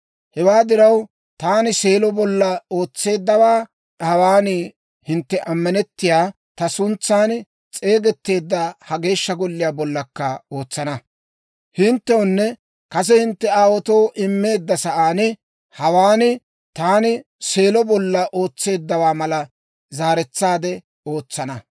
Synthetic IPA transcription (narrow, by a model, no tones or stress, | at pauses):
hɛwaːd̪ɪɾɐw | t̪aːnɪse̞ːlɔbɔlːɐoːt͡sːe̞ːd̪ːɐwaː | hɐwaːnɪ | hɪnt̪ːɛʔɐmːɐnɛt̪ːɪjaː | t̪ɐsʊnt͡sːaːn | t͡sʼe̞ːɡɛt̪ːe̞ːd̪ːɐhɐɡe̞ːʃːɐɡɔlːɪjaːbɔlːɐkːɐo̞ːt͡sːɐnɐ | hɪnt̪ːɛɔnːɛ | kɐs̬ɛhɪnt̪ːɛaːwɔt̪oːʔɪmːe̞ːd̪ːɐsɐʔaːnɪ | hɐwaːnɪ | t̪aːnɪ | se̞ːlɔbɔlːɐʔo̞ːt͡sːe̞ːd̪ːɐwaːmɐlɐ | zaːɾɛt͡sːaːd̪ɛ | o̞ːt͡sːɐnɐ